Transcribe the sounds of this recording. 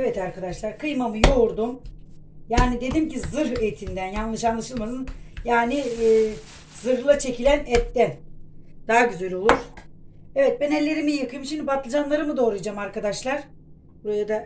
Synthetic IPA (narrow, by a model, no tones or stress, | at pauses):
evɛt̪aɾkʰad̪aʃlˠaɾkʰɯjmamɯjoɾd̪um | jaːnid̪e̞d̪imcizɯɾet̪ʰind̪ænjanlˠɯʃanlˠaʃɯlˠmad̪ɯnjaːniː | z̥ɯɾlˠat͡ʃʰe̞cʰilʲænɛt̪ːɛnd̪̥aɦaɟyzælʲo̞lˠuɾ̥ | evɛt̪̚bɛnɛlʲe̞ɾimijakɯjɯmʃimd̪ibat̪lˠad͡ʒanlˠaɾɯmɯd̪o̞ːɾujd͡ʒamaɾkad̪aʃlˠaɾ̥ | buɾajad̪a